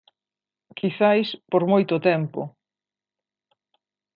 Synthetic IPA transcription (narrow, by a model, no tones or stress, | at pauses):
kiθajspoɾmojt̪ʊt̪ɛmpʊ̰